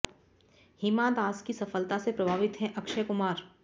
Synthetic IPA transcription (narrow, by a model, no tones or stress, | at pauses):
hiːmãːd̪aːskisɐfəlt̪asepɾɐbʱaːʋɪt̪ɦɛ̃ʔɐkʃəkʊmaːɾ